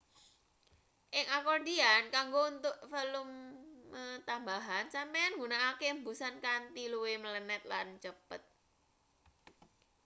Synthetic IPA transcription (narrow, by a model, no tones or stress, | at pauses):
ʔɪŋakɔrdiankaŋɡount̪ʊʔfelʊmːət̪ambaɦansampejanŋɡunaːkembusankant̪iluwemələnɛt̪̚lant͡ʃəpət̪̚